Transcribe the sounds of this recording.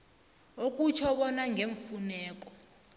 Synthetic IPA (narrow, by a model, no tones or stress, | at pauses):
ok̬ʼut͡ʃʰɔɓɔnaŋɡʱeɱfunɛːk̬ʼɔ̥